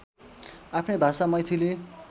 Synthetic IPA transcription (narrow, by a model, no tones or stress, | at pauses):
apʰnʌbʱasamʌjt̪ʰile